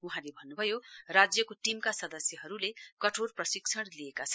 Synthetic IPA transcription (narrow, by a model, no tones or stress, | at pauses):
uɦãlebʱʌnːubʱʌjorad͡zjʌkoʈimkasʌd̪ʌsjʌɦʌɾulekʌʈʰorprʌsiksʰʌɽlijekat͡sʰʌn